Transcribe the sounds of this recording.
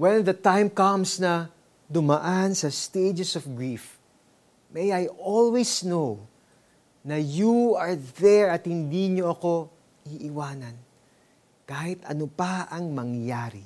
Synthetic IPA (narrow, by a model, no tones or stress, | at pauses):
wɛnðɐt̪ãjmkɐmsnɐ | d̪ʊmɐʔansɐst̪ejd͡ʒɛsɔfɡɹif | mɛjajʔolwisnow | nɐjuɐɹðɛɹɐt̪hɪnd̪iɲoɐko̞ | iʔɪwaːnɐn | kaːhɪt̪ɐ̰nopaɐŋmɐŋjaːɾḭ